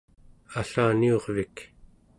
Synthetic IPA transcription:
aɬaːnio̞ʁvik

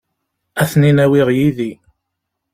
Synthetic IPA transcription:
æθninæwɪʁjiði

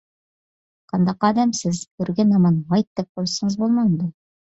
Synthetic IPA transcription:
qɑnd̪ɑqɑd̪æmsɘzkɵ̆ɾɡænɑmɑnʁɑjt̪ːɘp̚qujsɤ̆ɴɤzbulˠmɑd̪ɤ

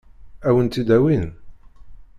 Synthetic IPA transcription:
æwənt̪id̪æwin

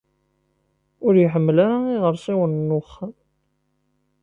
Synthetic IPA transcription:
ʊɾjəħəmːəlaɾaiʁəɾsiwənnːʊχːam

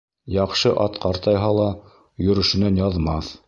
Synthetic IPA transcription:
jɑqʃɤʔɑt̪qɑɾt̪ɑjɦɑlˠɑ | jɵ̆ɾɘ̆ʃɘ̆nænjɑðmɑθ

